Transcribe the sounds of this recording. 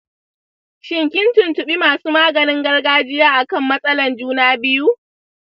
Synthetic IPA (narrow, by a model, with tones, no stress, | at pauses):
ʃɪ˦˨ŋkʲɪ˦ntʊ˨ntʊ˨ɓi˦maː˨suː˦maː˦ɡɐ˨nɪ˦ŋɡɐ˦rɡaː˦d͡ʒɪ˦jaː˦ʔa˨kɐ˦˨mːɐ˦sʼɐ˦lɐ˨nd͡ʒuː˦naː˦bɪ˦ju˦ʔ